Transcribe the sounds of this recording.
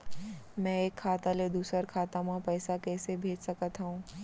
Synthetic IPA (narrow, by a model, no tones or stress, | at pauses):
mɛ̃eːkʰːaːt̪aled̪uːsəɾkʰaːt̪amãpɛːsakɛːsebʱeːd͡ʒsɐkət̪ɦɛũː